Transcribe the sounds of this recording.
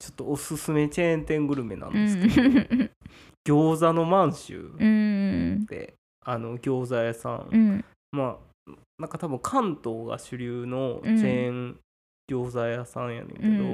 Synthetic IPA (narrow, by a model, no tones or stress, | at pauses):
t͡ɕot̪ːo̞osɨsɨme̞t͡ɕẽ̞nt̪ẽ̞ŋɡɯ̟ɾɯ̟me̞nã̰nd̪esɨk̪ | ɡ̥ʲo̞ːzano̞mãɰ̃ɕɨ̰ː | d̪̥e̞̰ | ano̞ɡʲo̞ːzajasã̰ŋ | ma | nãŋkat̪abɯ̟̃ŋkʰãnt̪o̞ːɡa̰ɕɨɾʲɯːno̞t͡ɕẽŋ | ɡ̥ʲo̞ːzajasãɰ̃ja̰nḛ̃ŋkeed̪o